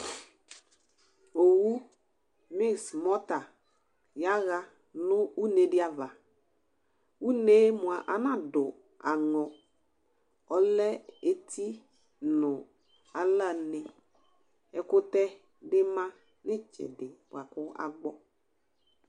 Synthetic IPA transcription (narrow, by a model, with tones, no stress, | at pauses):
o˨wu˦ | mɪ˦smɔ˦ta˨ | ja˦ɣa˦ | nʊ˦u˦ne˨˦dɪ˦a˦va˨ | u˦ne˦mʊ̃˨a˨ʔa˨nã˦˨dʊ˨ | a˨ŋɔ˨ | ɔ˦lɛ˦e˦tʰi˦ | nʊ˨ | a˨la˦˨nɪ˨ | ɛ˨kʊ˦tɛ˦ | dɪ˦mã˦ | nɪ˦t͡ʃɪ̰˨dɪ˨pwa˨kʊ˦a̰˦ɡ͡bɔ˦